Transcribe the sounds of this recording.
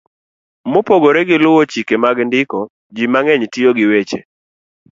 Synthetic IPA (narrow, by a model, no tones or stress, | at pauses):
mopoɡoɾɛɡɪlʊwot͡ʃikemaɡndɪkɔ | d͡ʒimaŋɛɲtɪjoɡɪwet͡ʃḛ